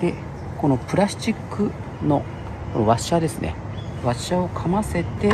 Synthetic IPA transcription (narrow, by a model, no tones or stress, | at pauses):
d̪e̞ | ko̞no̞pɯ̟ɾaɕt͡ɕikːɯ̟ | no̞ | βaɕad̪e̞sɨne̞̰ | βaɕao̞kʰamase̞t̪e̞